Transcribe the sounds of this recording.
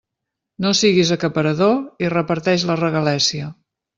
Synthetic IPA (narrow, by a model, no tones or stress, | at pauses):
nosiɣizəkəpəɾəðoirəpəɾt̪ɛʃ̬lərəɣəlɛsiə